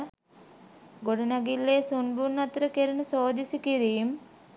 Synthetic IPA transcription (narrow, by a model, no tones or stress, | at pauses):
ɡoɽunɐɡilːeːsunbunːɐt̪ɾɐkeɾinusoːd̪isikiɾiːm